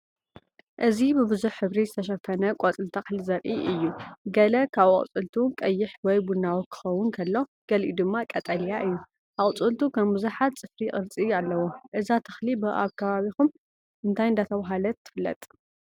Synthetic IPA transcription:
ʔɨzibɨbɨzuħħɨβɾizɨt̪ʰɐʃ̬ɐfɐnɐkʷʼot͡sʼɨlt̪ʰaxlizɐɾʔiʔɨjːuɡɐlɐkʰaβa̰kʼt͡sʼɨ̰lt̪ʰukʼɐjːɪħwɔjbunːawokʰɨ̥xɐwʊnkʰɐlːo̞ɡ̥ɐlʔḭd̪ɨmːakʼɐt̪ʼɐljaʔɨjːu | ʔaʔʼt͡sʼɨlt̪ʰukʰɐmmuzuħat̪t͡sʼɨfɾiʔʼɨɾt͡sʼialːɐwoʔɨzat̪ʰɐ̥xlibɨʔa̰βkʰɐβaβixum | ʔɨnt̪ʰajɨnd̪at̪ʰɐβaɦalɐt̪ʰːɨ̥fɨlːɐ̰t̪ʼ

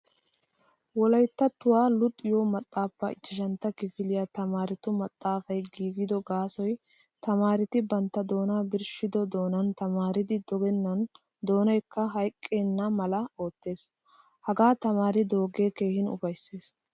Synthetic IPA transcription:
wɔlɐjt̪ːɐt̪ːʊwaːlʊt̪ʼːɪjoːmɐt̪ʼːaːpːɐ̰ɪt͡ʃːɪʃ̬ɐnt̪ːɐkɪfɪlɪjɐt̪ɐmaːɾɪt̪ʊmɐt̪ʼːaːfɐjɡiːɡɪd̪ɔɡaːsɔj | t̪ɐmaːɾɪt̪ɪbɐnt̪ːɐd̪o̞ːnaːbɪɾʃɪd̪ɔd̪o̞ːnɐnt̪ɐmaːɾɪd̪ɪd̪ɔɡɛnːɐn | d̪o̞ːnɐjkːɐɦɐjkʼːe̞ːnːɐmɐlɐo̞ːt̪ːe̞ːs | hɐɡaːt̪ɐmaːɾɪd̪o̞ːɡe̞ːke̞ːhɪnʊ̰fɐjsːeːs

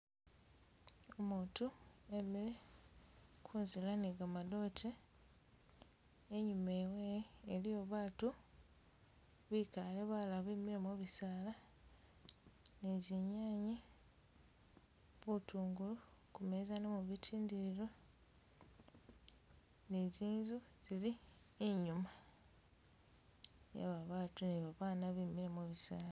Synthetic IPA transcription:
omuːtuemie | kʰuːnzilaneɡamado̞tʰe | eɲumeweːlijo̞βaːtu | βikaleβalaβimiemoβisala | neziɲaːɲi | βutʰuːŋɡulukume̞zanemuβitʰiːndiɾiɾo̞ | ne̞ziːnzuz̥ili | eɲuma | ja̰βaβaːtuneβaβaːnaβimilemoβisaːlaa

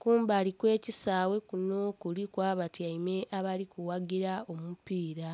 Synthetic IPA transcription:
kuːmbaːlikwe̞ːcisaːwe̞kuno̞kulikwaːβatjaime̞ʔaβalikuwaɡiɾao̞mupiːɾa

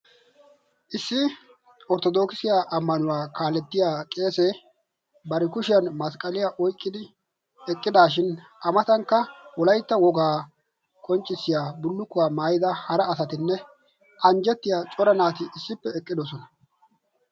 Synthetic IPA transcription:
ʔɪsːɪ | ʔɔɾt̪ɔd̪o̞ːkɪsɪjaːʔɐmːɐnʊwaːkaːlɛt̪ːɪjaːkʼe̞ːse | bɐɾɛkʊʃɪjɐnmɐskʼɐlɪjaːʔɔjkʼːɪd̪ɪ | ɛkʼːɪd̪aːʃɪn | ʔɐmɐt̪ɐŋkːɐwɔlɐjt̪ːɐwɔɡaː | kʼɔnt͡ʃʼːɪsːɪjaːbʊlːʊkːʊwaːmaːjɪd̪ɐhɐɾɐɐsɐt̪ɪnːɛ | ʔɐnd͡ʒɛt̪ːɪjaːt͡ʃʼɔɾɐnaːt̪ɪʔɪsːɪpːɛɛkʼːɪd̪ɔsɔnɐ

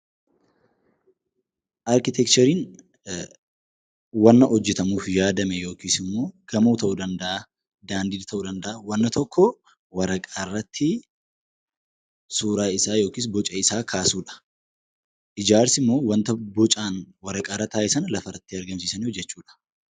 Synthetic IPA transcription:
ʔɐɾkɪt̪ɛkt͡ʃɐɾiːn | wɐnːɐʔɔd͡ʒːɛt̪ɐmuːfjaːd̪ɐmɛjo̞ːkiːsɪmːo̞ːɡ̥ɐmuːt̪ɐʔuːd̪ɐnd̪ɐʔa | d̪aːnd̪iːd̪t̪ʰɐʔuːd̪ɐnd̪ɐʔɐwɐnːɐt̪ɔkʰːɔ | wɐɾɐkʼarːɐt̪ʰːɪ | suːɾaːɪsaːjo̞ːkiːsbɔt͡ʃʼɐɪsaːkʰaːsuːᶑɐ̥ | ʔɪd͡ʒaːɾsɪmːo̞ːwɐnt̪ɐbɔt͡ʃʼaːnwɐɾɐkʼaːɾːɐt̪aːʔɪsɐnlɐfɐrɐt̪ːɪɐɾɡɐmsiːsɐniːd͡ʒːɛt͡ʃːuːᶑɐ̥

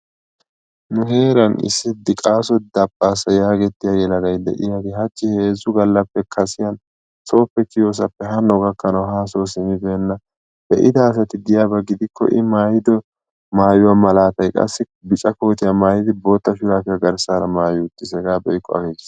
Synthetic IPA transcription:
nʊɦe̞ːɾɐnɪ̰sːɪd̪ɪkʼaːsɔd̪ɐbʼːaːsɐjaːɡɛt̪ːɪjajɛlɐd̪ɐjd̪ɛ̰ʔɪ̰jaɡ̪ɪɦɐt͡ʃːɪhe̞ːzːʊɡɐlːɐpːɛkʰɐsɪjɐn | so̞ːpːɛkɪjo̞ːs̬ɐpːɛɦɐnːɔɡɐkːɐnɐwhaːsoːsɪmɪbeːnːɐ | bɛʔɪd̪ɐːs̬ɐt̪ɪd̪ɪjaːbɐɡɪd̪ɪkːɔ̰ʔɪmaːjɪd̪ɔ | maːjʊwamɐlaːt̪ɐjkʼɐ̰sːɪ | bɪt͡ʃʼɐko̞ːt̪ɪjamaːjɪd̪ɪbo̞ːt̪ːɐʃʊɾaːfɪjaɡɐɾsaːɾɐmaːjʊt̪ːɪsɛɡaːbɔjkʼːɔ̰ɐ̰ɡeːɡs

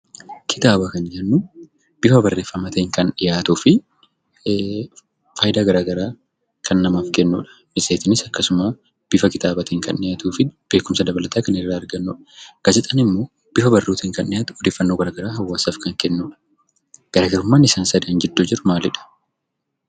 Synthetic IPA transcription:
kʰɪ̥t̪aːbɐkɐnɪjɐnːuː | b̥ɪfɐbɐrːe̞ːfːɐmɐt̪eŋkɐnᶑɪjaːt̪uːfɪ | faːjɪd̪aːɡɐɾaːɡɐɾaː | kʰɐnːɐmaːfkɛnːṵːᶑɐ̥ | mɪsʼeːt̪ɪnɪsɐkːɐsʊmaː | b̥ɪfɐkɪt̪aːbɐt̪eːŋkɐnːɪjaːt̪uːfɪb̥e̞ːkʊmsɐd̪ɐbɐlɐt̪aːkɐnɪrːaːɐɾɡɐnːuːᶑɐ̥kɐd͡ʒɛt̪ʼɐnɪmːo̞ː | b̥ɪfɐbɐrːuːt̪iːŋkɐnːɪjaːt̪ʊ̥ɔd̪eːfːɐnːo̞ːɡɐɾaːɡɐɾaːɦɐwːaːsaːfkɐŋkɛnːuːᶑɐ̥ | ɡ̥ɐɾaːɡɐɾʊmːaːnɪsaːnsɐd̪ɐɐnd͡ʒɛd̪ːoːd͡ʒɪɾʊmaːlɪᶑɐ̥

